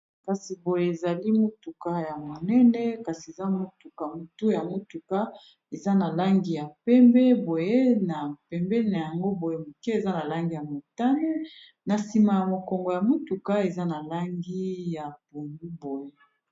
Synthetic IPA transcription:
ka˨si˨bo˨je˨e˨za˨li˦mo˦tu˨ka˦ja˨mo˨nɛ˦nɛ˦ka˨si˨e˨za˦mo˦tu˨ka˨mo˨tu˦ja˨mo˦tu˨ka˦ | e˨za˦na˨la˦ŋɡi˦ja˨pɛ˦mbɛ˦bo˨je˦na˨pɛ˨mbɛ˦˨na˨ja˨ŋɡo˦bo˨je˨mo˨ke˦e˨za˦na˨la˦ŋɡi˦˨ja˨mo˨ta˦ne˦ | na˨si˨ma˨ja˨mo˨kɔ˨ŋɡo˨ja˨mo˦tu˨ka˦e˨za˦na˨la˦ŋɡi˦ja˨bo˨ni˦bo˨je˦

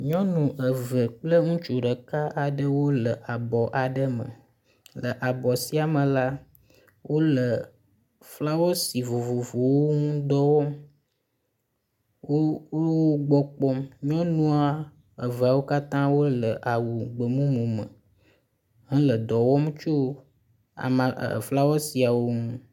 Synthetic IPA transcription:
ɲɔ̃˦nũ˨ʔə˨və˨k͡plə˦ŋũ˦t͡ʃu˨ɖə˨ka˦ʔa˨ɖə˦wo˦lə˨ʔa˨bɔ˨ʔa˨ɖə˦mə̰˨ | lə˨ʔa˨bɔ˨si˦a˨mə̃˨la˦ | wʔo˦lə˨ | fla˦wo˦si˨vo˨vo˨vo˨wo˦ŋũ˦d̪ɔ˦wɔ˦m | o˦o˦o˦ɡ͡bɔ˨k͡pɔ˦mmĩ˦ɔ̃˦nũ˦a˦ | ə˨və˨a˨wo˦ka˦t̪ã˦wo˦lə˨ʔa˨wu˨ɡ͡bə˨mũ˦mũ˨mə˨ | ɦə̃˦lə˨d̪ɔ˨wɔ˦m˦t͡ʃo˦ | a̰˨ma˨fla˦wɔ˦si˨a˨wo˦ŋũ˦

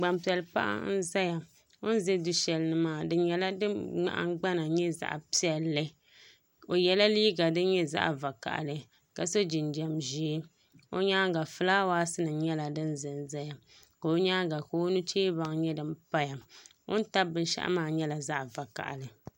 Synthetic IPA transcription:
ɡ͡ba˨mpi˨ɛ˨lɨ˨pa̰˦ʔa̰˦n̩˦za˦ja˨ | o̰˦n˦zɛ˦du˦ʃɛ˨lɨ˦nɨ˦maː˦˨dɨ˦ɲɛ˨la˦dɨ˦ŋ͡ma̰˨ʔa̰˦ŋ˦ɡ͡ba˦na˨ɲɛ˦za̰˦ʔpi˨ɛ˨lːɨ˦ | o˨jɛ˨la˦liː˦ɡa˨dɨ˦ɲɛ˦za̰˦ʔva˨ka̰˨ʔa̰˨lɨ˨ | ka˨so˦d͡ʒi˨nd͡ʒɛ˨mʒi˦ | o̰˦ɲaː˦ɡa˨fɨ˦laː˦waː˦sɨ˦nɨ˨˦ɲɛ˦la˨dɨ˦n˦zɨ˨n˦˨za˦ja˨ | ka˨o˦ɲaː˦ɡa˨ko˨˦nu˦t͡ʃeː˦ba˨ŋ˨ɲɛ˦dɨ˨mpa˦ja˨ | o̰˦n˦ta˦bɨ˨n˦ʃa̰˦ʔa̰˦maː˦ɲɛ˦la˨za˦ʔva˨ka̰˨ʔlɨ˨

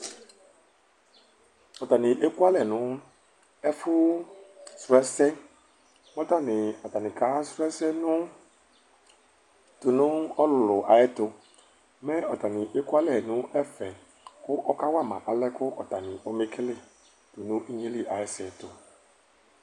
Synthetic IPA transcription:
ɔ˨ta˨nɪ˨ʔe˦kwa˦lɛ˦˨nʊ̃˨˦ | ɛ˦fʊ˦ | sɾʊ˨ɛ˦sɛ˦ | mɔ˦ta˦˨nɪ˨ɔ˨ta˨nɪ̃˨ka˨˦sɾɛ˦sɛ˦nʊ̃˦ | tʊ˨nʊ̃˦ɔ˦lʊ˨lʊ˨ʔa˨jɛ˦tʊ˧˦ | mɛ˦ɔ˨ta˨nɪ˨ʔe˦kwa˦lɛ˨nʊ̃˨˦ʔɛ˦fɛ˨ | kʊ˦ʔɔ˦ka˦wa˦˨mã̰˨ʔa˨lɛ˦kʊ˦ʔɔ˨ta˨nɪ˨ʔɔ˦mɪ˦kʰɪ˦lɪ˦˨ | tʊ˨nʊ̃˦ʔi˦ɲe˦li˦ʔa˨jɛ˦sɛ˨tʊ˨

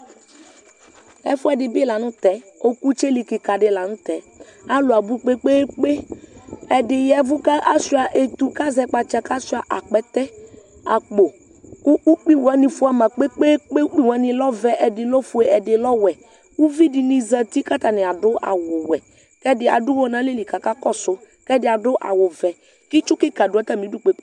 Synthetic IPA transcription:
ɛ̰˦fʊ˦ɛ˨dɪ˨bɪ˦la˨nʊ̃˦t̪ɛ˨ | o˦ku˦t͡ʃe˦li˨kɪ˨ka˨dɪ˦la˨nʊ̃˦t̪ɛ˨˦ | a˦lʊ˨a˨bu˦k͡pe˦k͡peː˦k͡pe˦ | ɛ˨dɪ˨jɛ˨˦vʊ˦ka˦ʔa˦si˦a˨ʔe˨t̪u˨ka˦zɛ˦k͡pa˨t͡ʃa˨ka˦si˦a˨ʔa˨k͡pɛ˨t̪ɛ˦ | a˨k͡po˨ | kʊ˦ʔu˦k͡pi˦wɛ˨˦nɪ˨fu˦a˨mã˨k͡pe˦k͡pe˦k͡pe˦u˦k͡pi˦wa˦nɪ˨lɔ˦vɛ˨ʔɛ˨dɪ˨lɔ˦fu˨˦ɛ˨ɛ˨dɪ˨lɔ˦wɛ˨ | u˦vi˦dɪ˨ni˨za˨t̪i˦ka˦t̪a˨nɪ˨a˨dʊ˦a̰˨wʊ˨wɛ˨ | kɛ˦dɪ˨a̰˨dʊ˦wɔ˦nã˦le˦li˨ka˨ka˦kɔ˦sʊ˨˦ | kɛ˦dɪ˨a˨dʊ˦ʔa̰˨wʊ˨vɛ˨ | kɪ˦t͡ʃʊ˦kɪ˦ka˨dʊ˨a˦t̪a˦˨mĩ˨˦du˦k͡pe˦

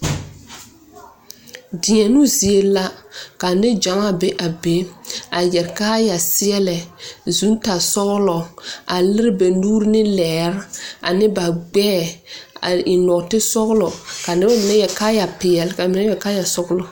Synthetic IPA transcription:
dɪ˨ɲɛ˨nu˦zi˨e˦la˦ka˨nɪ˦d͡ʒa˨˦ŋa˦be˦ʔa˨be˨˦a˨jɛ˨ɾkaː˦ja˨sɪ˦ɛ˦lɛ˨zu˨˦n˦ta˨sɔ˦ɣlɔ˨a˨lɪ˦ɾɪ˦be˨nuː˦ɾnɪ˦lɛː˨ɾa̰˨nɪ˦ba˨ɡ͡bɛː˦˨a̰˨ɪ˨nɔ˨tɪ˦sɔ˦ɣlɔ˨ka˨nɪ˦ba˦mɪ˨nɛ˦jɛ˨ka˦ja˨pɪ˨ɛ˨lka˨mɪ˨nɛ˦jɛ˨kaː˦ja˨sɔ˦ɣlɔ˨

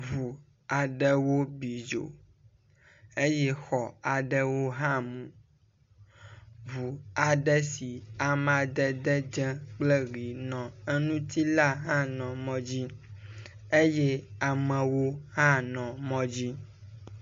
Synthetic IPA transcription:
βu˨ | a˨ɖɛ˦wo˦bi˨d͡ʒo̰˨ | e˦jɛ˦xɔ˨a˨ɖɛ˦wo˦ɦã˦mũ˨ | βu˨a˨ɖɛ˦si˨a˨m˨a˨d̪ɛ˦d̪ɛ˦d͡ʒɛ̃˦k͡plɛ˦ɾi˨nɔ̃˨e˦nũ˦t̪i˦la˦ɦã˦nɔ̃˨mɔ̃˦d͡ʑi˦ | e˦jɛ˦a˨mɛ̃˨wo˦ɦã˦nɔ̃˨mɔ̃˦d͡ʑi˦

